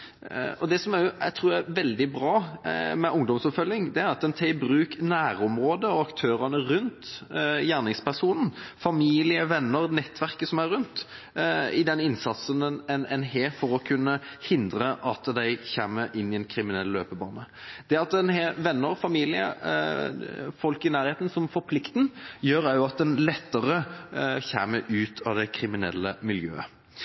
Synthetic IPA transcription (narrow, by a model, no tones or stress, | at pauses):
ɔd̪ɛsɔmæjʊæt̪ʰɾuːɾjæʋɛld̪ɪbɾɑːmɛʔʊŋd̪ɔmsɔpfœljɪŋd̪ɛæɾɑt̪̚d̪ɛnt̪ʰɛbɾʉːknæːɾɔmɾoːd̪əɔɑkt̪ʰøːɾɑnəɾʉnt̪jæːʁnɪŋspæʁsuːnn̩fɑmiːlɪəʋɛnːəɾnɛt̪ːʋæʁkəsɔmæɾʉnt̪ | ɪd̪ɛnɪnsɑt̪sənɛnɛnheːfɔɾɔkʰʉnːəhɪnd̪ɾəʔɑt̪d̪æɪçeːməʔɪnːɪɛnkʰɾɪmɪnɛlːløːpəbɑːnəd̪̥ɛɑt̪ɛnheʋɛnːəɾfɑmiːlɪə̰ | fɔlkɪnæːɾheːt̪n̩sɔmfɔɾpʰlɪkt̪n̩jøːɾæɾjʊɑt̪̚d̪ɛnlɛt̪ːəɾəçeːməʔʉːt̪ʰɑd̪ɛkʰɾɪmɪnɛ̰lːəmɪljø̰ːə